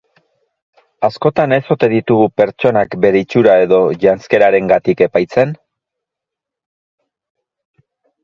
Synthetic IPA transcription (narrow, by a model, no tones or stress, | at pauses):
asko̞t̪ane̞so̞t̪e̞ðit̪uɣupe̞ɾt͡ʃo̞nakbe̞ɾeit͡ʃuɾae̞ðo̞ʝanske̞ɾaɾe̞ŋɡat̪ike̞pajt͡se̞n